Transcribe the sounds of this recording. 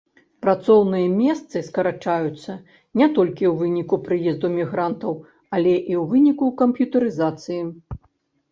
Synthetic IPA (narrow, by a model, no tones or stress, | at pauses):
pɾat̪sɔwnɨjɐmʲɛst̪sɨskɐɾat͡ʂajut̪sːɐ | nʲɛt̪ɔlʲkʲiwvɨnʲikupɾɨjɛzd̪umʲiɣɾant̪ɐw | ɐlʲɛʔiwvɨnʲikukɐmpjut̪ɐɾɨzat̪sɨji